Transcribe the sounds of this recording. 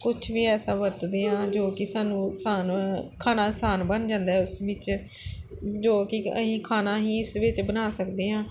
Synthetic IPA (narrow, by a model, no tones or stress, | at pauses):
kʊt͡ʃʰʋiːɛːsaːʋəɾt̪d̪eːãːd͡ʒoːkɪsaːnũːsaːnkʰaːnaːsaːnbənd͡ʒãːnd̪aːɦɛːʊsʋɪt͡ʃ | d͡ʒoːkɪəsĩːkʰaːnaːɦĩːʊsʋɪt͡ʃbənaːsəkd̪eːɦãː